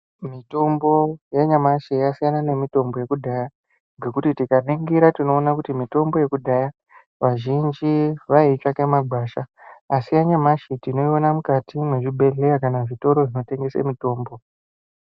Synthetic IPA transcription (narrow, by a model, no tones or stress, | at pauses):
mito̞mbo̞jaɲamaʃijasijanane̞mito̞mbo̞je̞kudʱaja | ŋɡe̞kutitikaneŋɡiɾatino̞ːnakutimito̞mbo̞je̞kudʱaja | ʋaʒind͡ʒiʋait͡ʂakemaɡʱwaːʃaasijaɲamaʃitino̞io̞namukatimweʐibʱe̞ɮe̞jakanaʐito̞ɾo̞ʐino̞te̞ŋɡe̞saḛmito̞ːmbo̞